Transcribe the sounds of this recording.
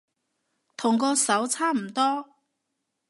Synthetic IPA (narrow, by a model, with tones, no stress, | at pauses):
t̪ʰʊ˨˩ŋkɔː˧sɐ˨˥wt͡sʰaː˥m̩˨˩t̪ɔː˥